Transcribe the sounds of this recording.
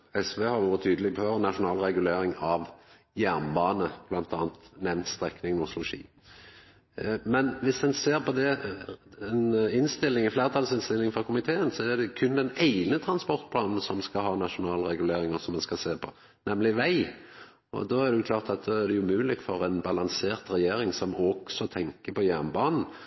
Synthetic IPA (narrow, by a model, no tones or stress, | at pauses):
ɛsʋehɑɾʋuːɾət̪ʰyːd̪lɪpœɾnːɑʂʊnɑːlɾɛɡʉleːɾɪŋɑʋ | jæʁnbɑːnəb̥lɑnt̪ʰɑːnt̪nɛʋnt̪st̪ɾɛknɪŋnʊslʊʃḭː | mɛnʋɪsd̪ɛnseːɾpɔd̪ɛ | ɛnɪnst̪ɪlːɪŋɛfleːɾət̪ʰɑlsɪnst̪ɪlːɪŋfɾɑkʰʊmɪt̪ʰeːənsɔæd̪ɛkʰʉnd̪ɛnæɪnət̪ʰɾɑnspɔɾt̪̚pʰlɑːnn̩sɔmskɑɦɑːnɑʃʊnɑːlɾɛɡʉleːɾɪŋəsɔmd̪ɛnskɑseːpʰɔ̰ | nɛmlɪʋæɪ | ɔ̰d̪ɔæʁd̪ɛjʊkʰlɑːʁt̪ɑt̪̚d̪ɔæʁd̪ɛjʊmʉːlɪkfɔɾɛɪnbɑlɑŋseːɾt̪ɾɛjeːɾɪŋsɔmɔɡ̥sɔt̪ʰɛŋkəpʰɔjæɾnbɑːnn̩